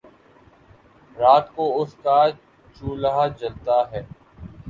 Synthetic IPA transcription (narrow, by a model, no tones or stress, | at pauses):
ɾaːt̪koːʊskaː | t͡ʃuːlaɦad͡ʒəlt̪aːɦɛː